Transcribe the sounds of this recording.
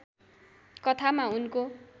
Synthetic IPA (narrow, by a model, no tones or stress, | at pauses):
kʌt̪ʰamaunko